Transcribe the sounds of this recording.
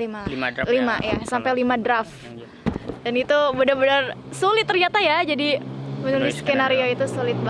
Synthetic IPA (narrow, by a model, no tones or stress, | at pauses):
limalimajasampajlimadɾaf | danit̪ubədabənərsolɪt̪ːərɲat̪ajad͡ʒadimənulɪskenaɾioit̪usolɪt̪̚b